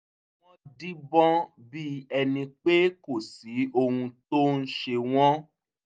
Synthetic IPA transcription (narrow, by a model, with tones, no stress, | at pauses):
w̃ɔ̃˦di˦bɔ̃˦ | bi˦ɛ˧nĩ˧k͡pe˦ko˦˨si˨˦o˧hũ˧to˦n̩˦ʃe˧w̃ɔ̃˦